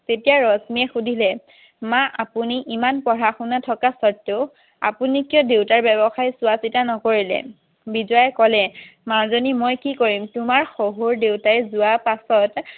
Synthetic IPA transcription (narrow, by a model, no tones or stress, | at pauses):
tetijaɹɔsmiɛxudʱilɛ | maʔapuniʔimanpɔɹaxunatʰɔkasɔtːe | a̰punikiɔdewtaɹbɛbɔxajsʊasitanɔkoɹilɛ̰ | bizɔjajkɔlɛmazonimɔjkikoɹimtʊmaɹxoɦoɹdewtajɛzʊwapasɔt